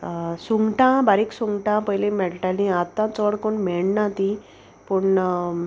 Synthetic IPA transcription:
suŋɡʈãbaɾiksuŋɡʈãpəjlemeɭʈalĩat̪ːãt͡səɽkoɳmeɽnãt̪i | pəɳ

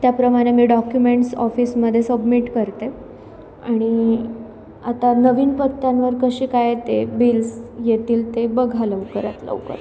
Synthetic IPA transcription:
t̪japɾəmaɾemiːɖɔkjumeɳʈsɔfiːsməd̪ʱjesəbmiʈkəɾt̪e | aɽ̃i | at̪anəʋiːnpət̪ːjanʋəɾkəɕiːkajet̪ebilsjet̪iːlt̪ebəɡʱaləʋkəɾa̰t̪lə̰ʋkə̰ɾ

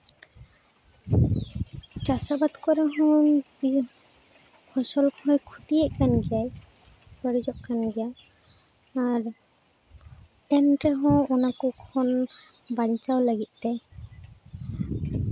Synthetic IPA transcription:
t͡ʃasabad̪kɔɾɛɦɔ̃bi | kʰɔsɔlkʰɔ̃jkʰut̪ijɛʔkanɡɛjaj | pəɾid͡ʒɔʔkanɡɛja | ɾ | ɛnʈɛɦɔ̃ɔnakukʰɔn | baɲt͡ʃawlaɡit̪̚ˀt̪ɛ

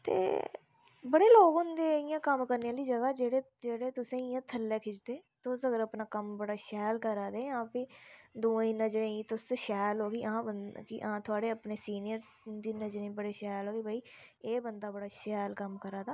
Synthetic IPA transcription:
t̪ḛː | bəɽeːloːɡɦʊ̃nd̪eːɪjãːkəmkəɾnejãːliːd͡ʒəɡaːd͡ʒeːɽeː | d͡ʒeːɽeːt̪ʊsẽːɪjãːt̪ʰəlːeːkʰɪt͡ʃd̪eːt̪oːsəɡəɾəpnaːkəmbəɽaːʃɛːlkəɾaːd̪eːãːpʰiːd̪ũːĩːnəd͡ʒɾẽĩːt̪ʊsʃɛːlɦoːɡiːãbənkiʔãːt̪ʰʊaːɽeːəpneːsiːnɪjəɾ | d̪iːnəd͡ʒɾẽĩːbəɽeːʃɛːlɦoːɡeːbaːiːeːbənd̪aːbəɽaːʃɛːlkəmkəɾaːd̪aː

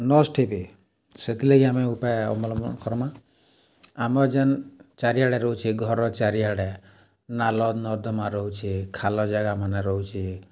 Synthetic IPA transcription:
nɔsʈʰepe | set̪ileɡiameupaeɔ̰mɔlɔmɔ̰kʰɔɾɔmã | amɔd͡ʒant͡ʃaɾiaɽeɾɔɦut͡ʃʰiɡʱɔɾɔt͡ʃaɾiaɽe | nalɔd̪nɔɾd̪ɔmaɾɔɦut͡ʃʰikʰalɔd͡ʒaɡamaneɾɔɦut͡ʃʰi

